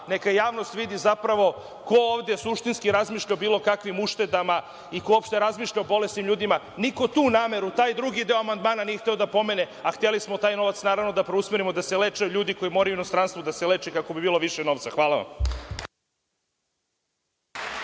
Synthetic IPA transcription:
nekajaːʋnost̪ʋid̪izapɾaʋo̞ | ko̞oːʋd̪e̞suʃt̪inskiɾazmiːʃʎaobiːlˠo̞kakʋimuʃt̪e̞d̪ama | ikoopʃt̪eɾazmiːʃʎaobo̞lest̪imʎuːd̪ima | niko̞t̪uːnaːme̞ɾut̪aːjd̪ɾuɡid̪e̞o̞amand̪maːnanijext̪eod̪apo̞mene | axt̪elismot̪aːjno̞ʋat̪snaːɾaʋnod̪apɾeusmeɾimo̞d̪aselet͡ʃajuʎuːd̪iko̞jimoɾajuino̞st̪ɾaːnst̪vod̪aselet͡ʃɛkako̞bibiːlo̞ʋiʃɛno̞ʋt̪saxʋaːlˠaʋa̰m

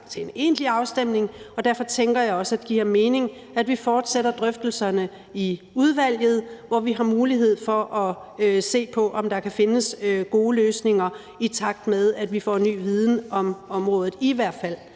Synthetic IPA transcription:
t͡sʰe̝ene̝̰n̥liɑ̈ʊsd̥em̰ne̝ŋɒ̽d̥æɐfɒ̽t͡sʰeŋɡ̥ɐjɑ̈ɪɒ̽sæd̥ɡ̥ḭɐ̰me̝ːne̝ŋ | æd̥ʋifɒːd̥seɾ̥ɐd̥ʁœfd̥l̩sɐnə | i | uð̞ˠʋæl̰jð̞̩ˠʋɒʋiɦɑ̈muːliɦe̝ð̞̰ˠfɒ̽ʔɒ̽se̝̰ːpʰɒ̽ʔɒ̽md̥ɑ̈kʰæfe̝nəsɡ̥o̝ːløːsne̝ŋɐ | it͡sʰɑ̈ɡ̥̚d̥meðˠæd̥ʋifɒ̰ːnːy̰ːʋið̞ˠn̩ɒ̽mɒ̽mʁɔ̽ːð̞ˠð̩ˠiʋæɐ̰d̥fæl̰

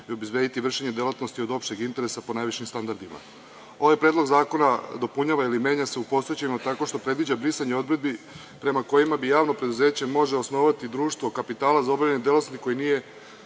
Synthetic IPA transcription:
iobezvʋe̞ːd̪it̪iʋr̩ʃeɲe̞d̪elat̪nost̪io̞d̪o̞pʃe̞ɡint̪eɾe̞sapo̞najʋiʃimst̪and̪aɾd̪ima̰ | o̞ʋajpɾe̞ːd̪lo̞ɡzaːko̞nad̪o̞puɲaʋailime̞ːɲase̞upo̞set͡ɕeimat̪ako̞ʃt̪o̞pɾe̞d̪ʋid͡ʑabɾisaɲeo̞d̪ɾe̞d̪̚bi | pɾe̞mako̞jimabijaːʋno̞pɾe̞d̪uze̞ːt͡ɕe̞mo̞ʒeosno̞ʋat̪id̪ɾuːʃt̪ʋokapit̪aːlazaobɾaʎaɲned̪elat̪nost̪i̥ko̞jinije̞

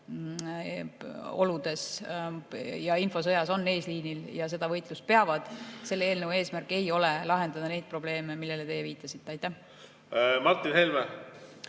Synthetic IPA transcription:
o̞̰lud̪̥e̞s | jɑinfo̞s̬ɤ̞jɑso̞nːe̞ːsliːniljɑs̬e̞d̪̥ɑvɤjt̪ˑlust̪̚peɑvɑd̪̥se̞lːeeːlnəvwe̞ːsmærkːˑe̞jo̞lelɑɦe̞nd̪ɑd̪ɑne̞jd̪̚pro̞ble̞ːme̞milːe̞let̪e̞jeviːt̪ːˑɑsit̪ːeɑjt̪ːˑæh | mɑrt̪ːˑinhelme

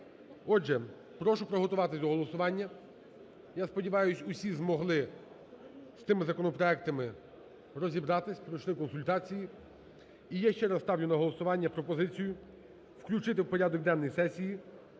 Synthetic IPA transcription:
ɔʒɛ | pɾɔʃʊpɾɔɦɔt̪ʊʋɑt̪ɪzʲd̪ɔɦɔlˠɔsʊʋɑnʲːɐ | jaspɔdʲiʋɑjʊsʲʊsʲizmɔɦlˠɪ | st̪ɪmɪzɐkɔnɔpɾɔɛk̚t̪ɐmɪ | ɾɔzʲibɾɑt̪ɪsʲpɾɔjʃlˠɪkɔnsʊlʲt̪ɑt͡sʲiji | ijaʃt͡ʃɛɾɐst̪ɑwnʲʊnɐɦɔlˠɔsʊʋɑnʲːɐpɾɔpɔzɪt͡sʲijʊ | wklʲut͡ʃɪt̪ɪwpɔɾʲad̪ɔk̚d̪ɛnːɔjsɛsʲiji

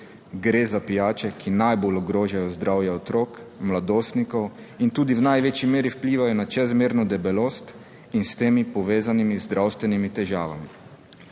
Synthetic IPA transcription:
ɡɾeːzapijaːt͡ʃɛkʰinajbolɔɡɾoːʒajɔzd̪ɾawjɛɔt̪ɾoːkmlad̪oːst̪nikɔw | int̪uːd̪iwnajʋeːt͡ʃimeːɾiwpliːʋajɔnat͡ʃɛzmeːɾnɔd̪ɛbɛloːst̪ | inst̪eːmipɔʋeːzanimizd̪ɾʔawst̪ʋɛnimit̪ɛʒaːʋa̰mi

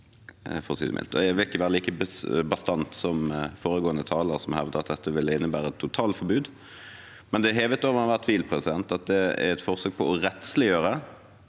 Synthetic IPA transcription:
fɔʁsḭːd̪ə̰mɪ̰lt̪ɔ̰jæʋɪlɪkːəʋæːɾəliːkəbbɑst̪ɑnt̪sɔmfoːɾəɡoːənət̪ʰɑːləɾsɔmhɛʋd̪əʁɑt̪̚d̪ɛt̪ːəʋɪlːəɪnːəbæːɾəɛt̪ʰːʊt̪ʰɑːlfɔbʉːd̪ | mɛnd̪ɛɦeːʋət̪oːʋʁɑnɑʋæʁt̪ʰʋiːlpʰʁɛsɪd̪ɛnt̪ɑt̪̚d̪ɛæ̰ɾɛt̪fɔʁsøːk̚pʰɔɔɾɛt̪slɪjøːɾə

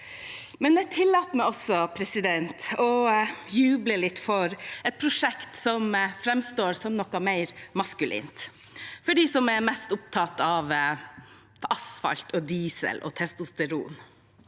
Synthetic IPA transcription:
mɛnjɛt̪ʰɪlːɑːt̪mæɛɪɔsɔpʰɾɛsɪd̪ɛnt̪ɔjʉːbləlɪt̪ːfɔɾɛt̪̚pʰɾʊʂɛkt̪sɔmfɾɛmst̪oːɾsɔmnɔkɑmæɪɾmɑskʉlʔḭːnt̪ | fɔɖiːsɔmɛɾmɛst̪ʊp̚t̪ʰɑt̪ɑʋ | ɑsfɑ̰lt̪ʰɔd̪iːsə̰lʔɔ̰t̪ʰɛst̪ʊst̪ɛɾṵːn

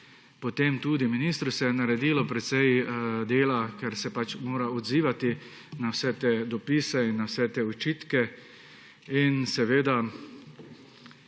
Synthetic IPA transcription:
pɔt̪emt̪uːd̪iminist̪ɾusɛjɛnaɾɛd̪iːlɔpɾɛt̪sɛjd̪eːlakɛɾsɛpat͡ʃmoːɾaod̪ziːʋat̪i | nawsɛt̪ed̪ɔpiːsɛinːawsɛt̪eːɔt͡ʃiːt̪kɛ | insɛʋeːd̪a

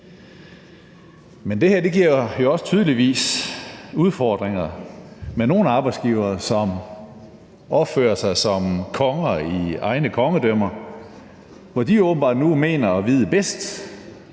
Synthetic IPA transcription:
mend̥e̝hæɐd̥e̝ɡ̥iɐ̰jo̝ɒ̽sə̥t͡sʰyːð̞ˠliʋḭːs | uð̞ˠfɒːd̥ʁeŋɐmeno̝ːn̩ɑ̈ːb̥ɑ̈ɪsɡ̥iːʊɐːsɒ̽m | ɒ̽b̥fø̰ːɐsɑ̈ɪsɒ̽mkʰɒ̽ŋɐiɑ̈ɪnəkʰɒ̽ŋəd̥œm̰ɐ | ʋɒd̥iɔʊb̥n̩b̥ɑ̈ːd̥nume̝̰ːnɐɒʋiːð̞ˠəb̥esd̥

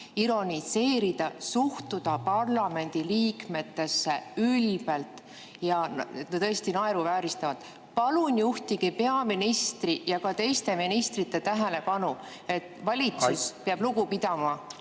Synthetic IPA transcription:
iɾo̞nise̞ːɾid̪̥ɑsuht̪ud̪̥ɑpɑrlɑme̞nʲd̪̥iliːkme̞t̪ːe̞sːe̞ylb̥e̞lt̪ˑ | jɑet̪net̪ɤest̪inɑeɾuvæːɾist̪ɑvɑt̪ | pɑlunʲjuht̪iɡ̥ipe̞ɑminist̪rijɑkɑt̪e̞jst̪e̞minist̪rit̪ːˑe̞t̪æɦele̞pɑnu | e̞t̪ːˑvɑlʲit̪suspeɑb̥luɡupid̪̥ɑmɑ

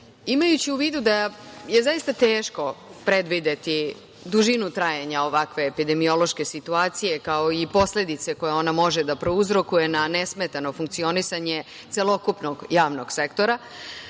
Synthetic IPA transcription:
imajut͡ɕiuʋiːd̪ud̪aje̞zaist̪at̪eːʃko̞pɾe̞d̪ʋid̪e̞t̪i | d̪uʒinut̪ɾaːjaɲao̞ʋakʋe̞ːpid̪e̞mio̞lo̞ʃke̞sit̪uaːt̪sije̞kao̞ipo̞sle̞d̪it̪se̞ko̞jeo̞namo̞ʒed̪apɾo̞uzɾo̞kuje̞nanesmet̪ano̞fuŋkt̪sio̞nisaɲe̞ | t̪se̞lˠo̞kupno̞ɡjaːʋno̞ɡ̥sekt̪o̞ɾa

